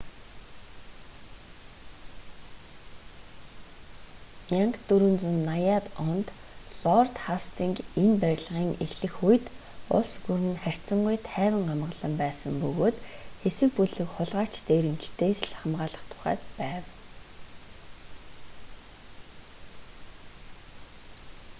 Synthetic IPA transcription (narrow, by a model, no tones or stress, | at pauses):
jaŋkt̪ɵɾŭnt͡sŭnːajat̪ɔnt̪ | ɮɔrt̪χast̪ʰiŋkinpæɾʲɮʁiːŋexɮɘ̆xujt̪ | ʊ̰sɡuɾwɘ̆nχær̥ʲt͡sə̆ŋɢujt̪ʰæːwɪ̆ŋɢamə̆ɮə̆mpæːsə̆mpɵɣoːt̪xesɘ̆k̚puɮɘ̆kχʊɮʁaːt͡ɕt̪eːɾɘ̆m̥t͡ɕt̪ʰeːsɮχamʁaːɮə̆χt̪ʰʊ̥χæ̰ːt̪pæːw